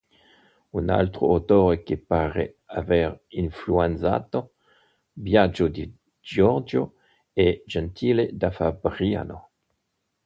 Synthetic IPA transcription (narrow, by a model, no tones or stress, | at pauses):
una̰lt̪ɾo̰at̪oːɾekepaːɾḛ | avɛɾinfluanza̰ːt̪o | bjad͡ʒod̪i | d͡ʒɔɾd͡ʒo | ɛd͡ʒɛnt̪ʰiːled̪afabɾia̰no